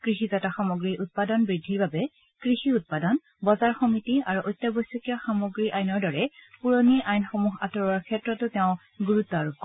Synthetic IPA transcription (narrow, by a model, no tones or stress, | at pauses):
kɹixizataxamoɡɹiʔut̚padɔnbɹidʱːiɹbabɛ | kɹixiut̚padɔn | bɔzaɹxɔmitiaɹuʔojtːjabojsɔkijaxamoɡɹiʔajnɔɹdɔɹɛpuɹoniʔajnxɔmuɦa̰tɔɹaɹkʰɛtɹɔtːʊtɛʊ̃ | ɡuɹutːɔɹuk